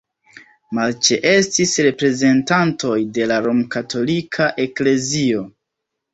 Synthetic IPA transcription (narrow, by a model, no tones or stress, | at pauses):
malt͡ʃe̞ʔe̞stisɾe̞pɾe̞ze̞ntanto̞jde̞laɾomkato̞likʰaʔe̞kle̞zio̞